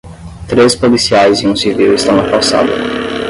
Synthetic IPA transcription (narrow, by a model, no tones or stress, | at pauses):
t̪ɾespolisiajzɪ̃ũsiviwɪst̪ɐ̃w̃akawsa̰d̪ʊ